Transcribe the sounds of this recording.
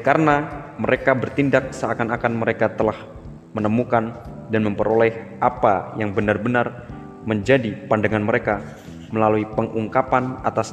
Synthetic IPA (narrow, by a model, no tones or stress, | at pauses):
kaɾənaməɾekabərt̪indak̚səakanakanməɾekat̪əlah | mənəmukan | danməmpəɾolɛhʔapajaŋbənarbənar | məɲd͡ʒadipandaŋanməɾeka | məlaluipəŋʔuŋkapanat̪as